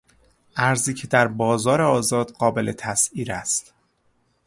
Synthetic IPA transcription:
ʔæɾziːcʰe̞d̪æɾbɒːzɒːɾeɒːzɒːd̪̥ɢɒːbe̞le̞t̪ʰæsiːɾæst̪

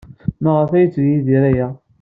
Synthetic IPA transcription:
məʁəfæjət͡sːvijiðiɾæjæ

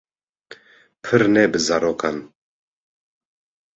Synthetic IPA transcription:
pʰɨɾnɛbəzaɾokʰan

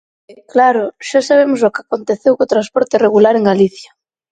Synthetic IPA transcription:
klaɾoʃasaβ̞emosokakont̪eθewkot̪ɾaspɔɾt̪ereɣulaɾeŋɡaliθja

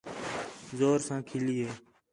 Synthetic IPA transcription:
zoːɾsãːkʰɪliːɦeː

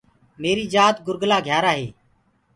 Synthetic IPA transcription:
meːɾiːd͡ʒaːt̪ɡʊɾɡlaːɡʱjaːɾaːɦeː

